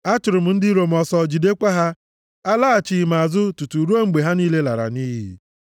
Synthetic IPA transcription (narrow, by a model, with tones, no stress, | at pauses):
a˦t͡ʃʊ˨ɾʊ˨m̩˨˦n̩˦dɪ˦ɾo˨m̩˨ɔ˨sɔ˨d͡ʒi˨de˦kʷa˦ɦa˦ | a˦la˦a˨t͡ʃi˨ma˨a˨zʊ˦tu˨tu˨ɾu˦o˦ŋ͡m̩˦ɡ͡be˨ɦa˦niː˦le˦la˨ɾa̰˨niː˦ɦḭ˨